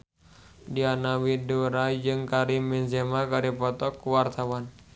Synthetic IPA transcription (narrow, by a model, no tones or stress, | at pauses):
dianawidoɾad͡ʒɨŋkaɾiminzemakaɾipɔt̪ɔkːuwart̪awan